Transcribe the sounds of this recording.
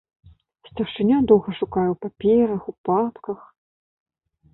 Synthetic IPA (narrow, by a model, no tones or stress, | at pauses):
sʲt̪ʲɐʂɨnʲad̪ɔwɣɐʂukajɛwpapʲɛɾɐxupapkɐx